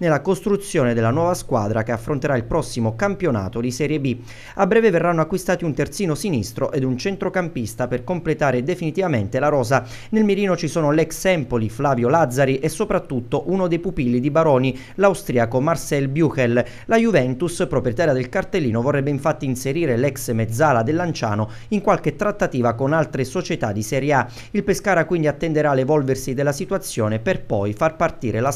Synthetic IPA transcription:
nelːakost̪ɾut̪sːjoːned̪elːanwɔːvaskwa̰ːd̪ɾakeafːɾont̪eɾailpɾɔsːimokampjona̰ːt̪od̪isɛɾjebi | abɾɛːveverːanːoakːwist̪aːt̪iunt̪ert̪siːnosinist̪ɾo̰ʔed̪unt͡ʃɛnt̪ɾokampist̪aperkomplet̪aːɾed̪efinit̪ivament̪elaɾɔːza | nelmeɾiːnot͡ʃisoːnolɛksɛmpoliflaːvjolad̪zːaɾiʔesːopɾat̪ːut̪ːoʔunod̪ejpupilːid̪ibaɾɔːni | lawst̪ɾiakomarsɛlbjukel | lajuvɛnt̪uspɾopɾet̪aːɾjad̪elkart̪elːiːnovorːɛbːeiɱfat̪ːiːnseɾiːɾelɛksmed̪zːaːlad̪elːant͡ʃa̰ːno | iŋkwalk̟et̪ːɾat̪ːat̪iːvakonalt̪ɾesot͡ʃet̪ad̪ːisɛɾjea | ilpeskaːɾakwind̪iat̪ːend̪eɾalevɔlversid̪elːasit̪wat̪sːjoːneperpɔjfarpart̪ḭːɾela

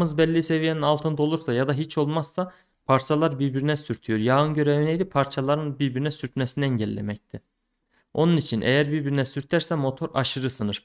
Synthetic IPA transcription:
ɯzbɛlʲːise̞vijeninalˠt̪ʰɯnd̪o̞lˠuɾsajad̪aɦit͡ʃʰo̞lˠmaz̥sa | pʰaɾt͡ʃʰalˠaɾbiɾbiɾinɛsyɾt̪ʰyjoɾjaːɯnɟø̞ɾevinɛjd̪ipʰaɾt͡ʃʰalˠaɾɯnbiɾbiɾinɛsyɾt̪mɛsiniɛɲɟɛlʲːḛmɛc̚t̪ʰi | o̞nunit͡ʃʰinʔɛ̰jæɾbiɾbiɾinɛsyɾt̪ʰæɾsɛmo̞t̪ʰo̞ɾʔa̰ʃɯɾɯsɯnɯɾ̥

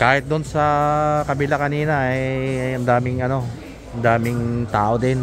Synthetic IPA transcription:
kaːhɪt̪̚d̪ʊnsɐkɐbɪlakɐniːnɐɐjɐnd̪aːmɪŋɐno̞ | ʔɐnd̪aːmɪŋt̪aːʔod̪ɪn

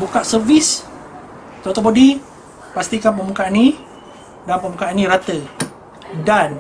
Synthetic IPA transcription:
bukaʔsərvis | t̪ɾot̪opodi | past̪ikanp̬əmukaʔani | danpəmbukaʔanĩɾat̪ə | dan

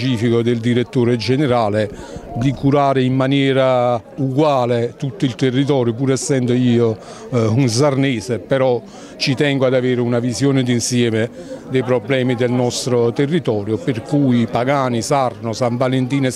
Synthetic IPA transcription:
t͡ʃiːfikod̪ɪld̪iɾet̪ːoːɾed͡ʒɛneɾaːle | d̪ikuɾaːɾɪimːanjɛːɾauɡwaːlet̪ut̪ːʊilt̪erːit̪̬ɔːɾjop̬uːɾɛsːɛnd̪oiːo | uns̬arneːsepɛɾɔ | t͡ʃit̪ɛŋɡoad̪aveːɾɪunavizjoːnɪd̪insjɛːmɪ | d̪ejpɾoblɛːmid̪elnɔst̪ɾot̪erːit̪ɔːɾjoperkujpaɡaːnisarnʊsaɱvalent̪iːne

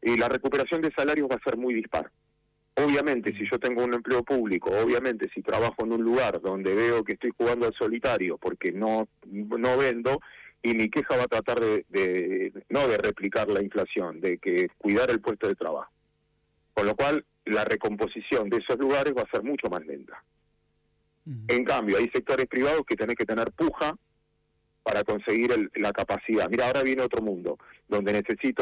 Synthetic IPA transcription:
ilare̞kupe̞ɾasjo̞nd̪esalaɾjo̞zβaseɾmujðihpa̰ɾ | oβ̞jamẽ̞nt̪e̞siʒo̞t̪e̞ŋɡo̞une̞mple̞o̞puβliko̞oβjamẽ̞nt̪e̞sit̪ɾaβaxo̞enũnluɣaɾðo̞nd̪e̞βeokeːht̪o̞jxuɣand̪oalso̞lit̪aɾjo̞po̞ɾke̞no̞no̞βe̞nd̪o̞imike̞xaβat̪ɾat̪aɾðeðeno̞ðere̞plikaɾlaiɱflasjo̞nd̪ekekwiðaɾe̞lpwe̞st̪o̞ð̞e̞t̪ɾa̰βa̰xo | ko̞nlo̞kwalː | areko̞mpo̞sisjo̞nd̪eeso̞zluɣaɾe̞zβaseɾmut͡ʃo̞masle̞̰nt̪ḁ | eŋkambjo̞ajsek̚t̪o̞ɾespɾiβ̞að̞o̞sket̪enehket̪eneɾpuxa | paɾako̞nse̞ɣiɾellakapasiðamiɾaːoɾaβje̞neo̞t̪ɾo̞mũnd̪o̞̰d̪o̞nd̪e̞ne̞se̞sit̪o

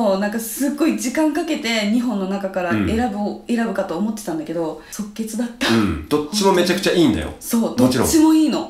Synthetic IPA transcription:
onãŋkasɨɡːo̞id͡ʑikãŋkake̞t̪e̞ɲ̟iɦõ̞nːo̞nakakaɾae̞ɾabɯe̞ɾabɯ̟kat̪o̞ːmo̞t̪ːe̞t̪ãnd̪ake̞d̪oso̞kːe̞t͡sɨd̪at̪ːãd̪̥o̞t͡ɕːimo̞me̞t͡ɕakɯ̟t͡ɕaiːnd̪a̰jo̰so̞ːd̪ot͡ɕiɾõt͡ɕːimo̞iːno̞

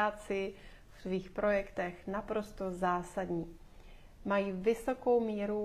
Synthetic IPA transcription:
aːt͡sɪ | ft̪viːxpɾʔo̞jɛkt̪ɛxnapɾo̞st̪o̞zaːsadɲiː | majiːvɪso̞ko̞wmiːɾu

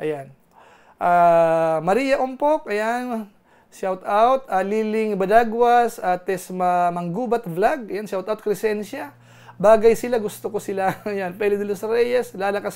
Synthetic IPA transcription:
ʔɐ̰jan | ʔaːmɐɾiːjɐʔʊmpok̚ʔɐjan | ʃawt̪awt̪aliːlɪŋbɐd̪aɡwasat̪ɛsmɐmɐŋɡuːbɐt̪vlaɡ̚ɐjanʃawt̪awt̪̚kɾɛsɛnʃa | baːɡɐjsɪlaɡʊst̪okosɪlajanpɛlɪd̪ɪlosɾɛjɛslaːlɐkas

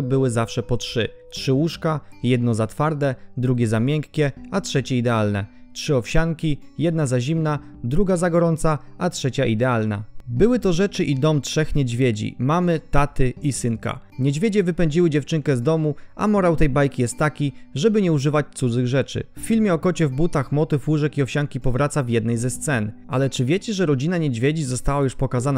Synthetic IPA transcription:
bɘwɘzafʂɛpɔtʂɘtʂɘwuʂkajɛd̪nɔzat̪faɾd̪ɛd̪ɾuɡʲɛzamʲjɛŋkːʲɛatʂɛt͡ɕɛid̪ɛalnɛ̰tʂɘɔfɕaŋkʲijɛd̪̚nazaʑimna | d̪ɾuɡazaɡɔɾɔnt̪saʔatʂɛt͡ɕaʔid̪ɛalna̰bɘwɘt̪ɔʐɛt͡ʂɘʔid̪ɔmtʂɛxɲɛd͡ʑvʲjed͡ʑḭmamɘt̪at̪ɘisɘŋka̰ɲed͡ʑvʲed͡ʑɛvɘpɛɲd͡ʑiwɘd͡ʑɛft͡ʂɘŋkɛzd̪ɔmuʔa̰mɔɾawt̪ɛjbajkʲijɛst̪ːakʲiʐɛbɘɲɛuʐɘvat͡ɕt̪sud̪zɘɣʐɛt͡ʂɘ̰fːʲilmʲjɛɔkɔt͡ɕɛvbut̪axmɔt̪ɘfwuʐɛkiɔfɕaŋkʲipɔvɾat̪savʲjɛd̪̚nɛjzɛst̪sɛnʔa̰lɛt͡ʂɘvʲjɛt͡ɕɛʐɛɾɔd͡ʑinaɲed͡ʑvʲjed͡ʑizɔst̪awajuʂpɔkazana

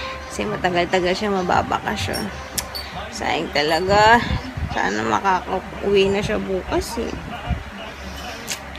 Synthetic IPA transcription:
kɐ̥sɛmɐt̪ɐɡalt̪ɐɡalʃamɐba̰ːbɐ̰kɐʃo̰n | sa̰ːʔɪŋt̪ɐlɐɡa | sa̰ːnɐmɐ̰kaːkɐ | ʔʊ̰wɛnɐʃabuːkɐsɛ̰

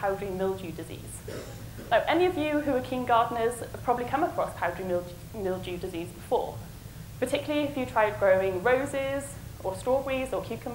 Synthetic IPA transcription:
pʰaʊdɹimɪlˠd͡ʒʉːdɪzḭːz̥ | naʊʔɛniəvjʉɦʉwəkʰĩnɡɑːdⁿn̩əz̥əd̥pʰɹ̥ɒbəblikʰʌ̃məkʰɹ̥ɒspʰaʊdɹimɪ | mɪlˠd͡ʒʉdɪziːzbɪfɔ̰ː | pətʰɪkjəl̩ˠəliɪfjətʰɹ̥aɪd̚ɡɹəʊɪ̃ŋɹəʊzɪz | ʔəstɹ̥ɔːwizəkʰj̥ʉˑkʰə̃m

